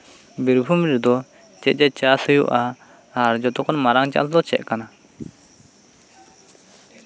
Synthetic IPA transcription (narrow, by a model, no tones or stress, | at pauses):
biɾbʱumɾɛd̪ɔ | t͡ʃɛt̪̚ˀd͡ʒɛt͡ʃasəjṵʔaː | ɾd͡ʒɔt̪ɔkɔnmaɾaŋt͡ʃa̰ʔld̪ɔt͡ʃɛ̰ʔ̪̚kana